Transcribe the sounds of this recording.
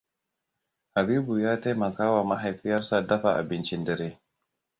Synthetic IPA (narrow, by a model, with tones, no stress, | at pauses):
ha˨biː˦bu˨jaː˦ta˦jmɐ˨kaː˦wa˨mɐ˦ɦa˨jɸɪ˦jɐ˦ɾsa˨dɐ˦ɸa˨ʔa̰˨bɪ˦nt͡ʃɪ˦ndɐ˦ɾeː˦